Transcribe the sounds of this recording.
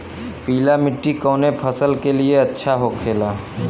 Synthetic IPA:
piːlamɪʈːikɔːnepʰəsəlkelieətːʃʰaɦokʰeːlaː

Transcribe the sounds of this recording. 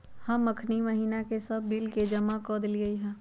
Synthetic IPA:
hɐmːɐkʰnimɐɦiːnakesɐbːilked͡ʒɐmakɔːd̪ɪliɡɐiɦɛ̃ː

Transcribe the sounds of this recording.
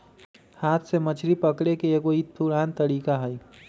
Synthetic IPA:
haːt̪ʰsemət͡ʃʰɾipəkɽekeeːkoitt̪ʰːuɾaːnt̪əɽiːkaɦəi

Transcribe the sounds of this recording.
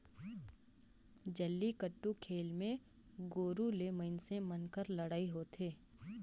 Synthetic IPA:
d͡ʒəlːikəʈːukʰeːlmẽ | ɡoːɾuleməɪnsẽmənkəɾləɽaːiɦoːt̪eː

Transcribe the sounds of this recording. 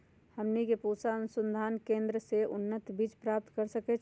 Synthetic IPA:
həmnikepusanʊsə̃nd̪ʱaːnkẽːnd̪ɾəseʔʊnːət̪bit͡ʃpɾaːp̚t̪kəɾsəkɛt͡ʃʰ

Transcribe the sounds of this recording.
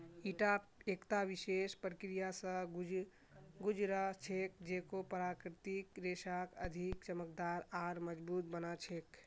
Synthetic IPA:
iʈaekt̪abisespɾəkɾijasə̃ɡ | ɡud͡ʒɾət͡ʃʰek̚d͡ʒekopəɾakɾt̪ikɾesakəd̪ʱikt͡ʃəmək̚d̪aɾaɾməd͡ʒbut̪̚bənat͡ʃʰek

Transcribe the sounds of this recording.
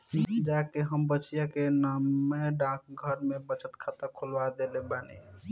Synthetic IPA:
d͡ʒakeɦəmbət͡ʃijakenameɖãk̚ɡʱəɾmebət͡ʃʰət̪kʰat̪əkʰulbad̪elebanḭ

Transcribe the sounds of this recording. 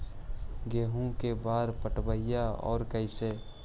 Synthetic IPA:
ɡeːɦũkebaːɾpəʈbəɪjaɔ̰ːɾkəɪseː

